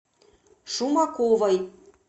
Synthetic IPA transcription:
ʃumɑkovɤ̆j

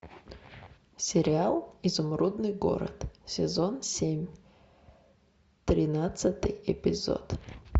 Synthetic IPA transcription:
sʲɪɾʲɪalˠizʊmɾud̪nɨjɡo̞̰ɾə̰t̪sʲɪzonsʲemʲ | t̪ɾʲɪnat̪sɨt̪ɨjɪpʲɪzo̞̰t̪

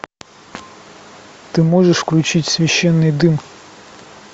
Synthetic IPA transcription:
t̪ɨmoʐɨʂfklʲʉt͡ɕitʲsʲvʲɪɕːɛnːɨjd̪ɨm

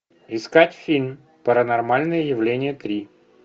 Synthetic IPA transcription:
ɪskatʲfʲilʲm | pəɾənɐrmalʲnɨjəjɪvlʲenʲɪjət̪ɾʲi

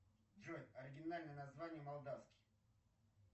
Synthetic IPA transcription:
d͡ʒotʲɐɾʲɪɡʲɪnalʲnəjənɐzvanʲɪjəmɐlˠd̪afskʲɪ̥j

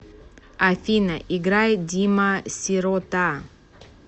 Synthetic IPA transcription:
aθinaʔiɡɾajdimasiɾot̪a

